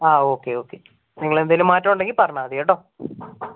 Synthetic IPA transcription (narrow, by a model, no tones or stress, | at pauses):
aːo̞ːkːe̞o̞ːkːe | niŋːɐɭend̪ajlumːaːtːɐmuɳɖe̞ŋɡilpɐrɐɳaːðiɐɽoː